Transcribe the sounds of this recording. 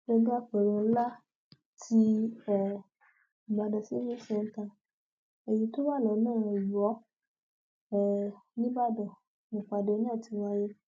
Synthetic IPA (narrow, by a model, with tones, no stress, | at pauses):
ɡɛ˧ɡ͡ba˦k͡pɛ˨ɾũ˧˦la˦ | tʰi˧ɛ˦˨ | i˨ɡ͡ba˧dɔ˨si˨˦mĩ˦sɛ̃˧˨n̩˦tã˧ | e˨jĩ˧to˦ba˦˨lɔ˨˦nãː˦˨˧ju˨ɔ˨˦ | ɛ˦˨nĩ˦ba˦˨dɔ˨ | mõ˨k͡pa˨de˨˧˦nĩ˦a˦˨ti˧wa˧je˦